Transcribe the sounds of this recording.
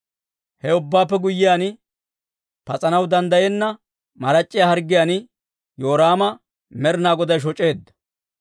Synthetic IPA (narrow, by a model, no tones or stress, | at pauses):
hɛʊbːaːpːɛɡʊjːɪjaːnɪ | pɐt͡sʼɐnɐwd̪ɐnd̪ɐjɛnːɐ | mɐɾɐt͡ʃʼːɪjaːhɐɾɡːɪjaːnɪ | jo̞ːɾaːmɐ | mɛɾnaːɡɔd̪ɐjʃ̬ɔt͡ʃʼe̞ːd̪ːɐ̥